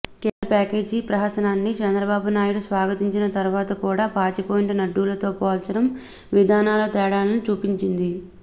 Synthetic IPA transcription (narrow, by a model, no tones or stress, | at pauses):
keːɐpɛːkeːd͡ʒipɾɐɦɐsɐnaːnːit͡ʃɛnd̪ɾɐbaːbunaːjuɽusʋaːɡɐt̪iɲt͡ʃinɐt̪ɐɾuʋaːt̪ɐkuːɽaːpaːt͡ʃipoːjiɳʈnɐɖːuːlɐt̪o̞ːpoːlt͡ʃɐɽɐm | ʋid̪ʱaːnaːlɐt̪ɛːɽaːlɐnit͡ʃuːpiɲt͡ʃind̪i